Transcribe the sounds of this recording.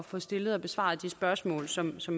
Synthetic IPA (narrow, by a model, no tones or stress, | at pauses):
fɔ̽sd̥e̝ləð̞̩ˠɒ̽b̥e̝sʋɑ̰̈ːðˠd̥isb̥ɶɐsmɔ̰ːlsɒ̽msɒ̽m